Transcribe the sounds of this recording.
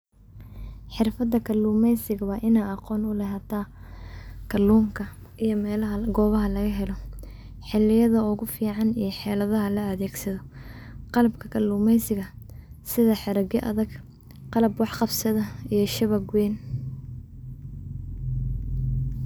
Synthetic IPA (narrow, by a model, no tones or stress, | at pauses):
ħɪrfɐd̪ɐkʰɐlːuːmɛjsɪɣɐβɐʔɪnaːɑqɔːnʊlɛɦɐt̪ʰaː | kʰɐluːmkʰɐ | ʔijɔmɛːlɐɦɐɡɔːβɐɦɐlɐɣɐɦɛlɔ | ħɪlɪjɐðɐʊɣʊfiːʕɑnijɞħɛːlɐðɐɦɐlɐɐðɛːɡsɐðɔ | qɑlɐbkʰɐkʰɐlːuːmɛjsɪɣɐ | sɪðɐħɪɾɐɡjɛʔɐðɐɡ | qɑlɐbwɑħqɑbsɐðɐijɞʃɐβɐɡwɛːn